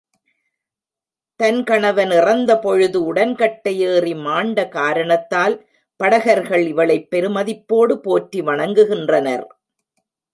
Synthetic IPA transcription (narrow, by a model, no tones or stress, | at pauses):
t̪ɐnkɐɳɐʋɐnɪrɐnd̪ɐpɔɻɯðɯʊɽɐnkɐʈːɐjeːrimaːɳɖɐkaːɾɐɳɐt̪ːaːl | pɐɽɐɣɐɾɣɐɭɪʋɐɭɐɪpːɛɾɯmɐðɪpːoːɽɯpoːʈriʋɐɳɐŋɡɯɣɪndrɐnɐ̰ɾ